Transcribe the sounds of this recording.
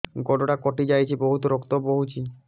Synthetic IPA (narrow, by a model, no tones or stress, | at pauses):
ɡɔɖoʈakɔʈid͡ʑajt͡ʃʰiboɦut̪oɾokt̪oboɦut͡ɕʰi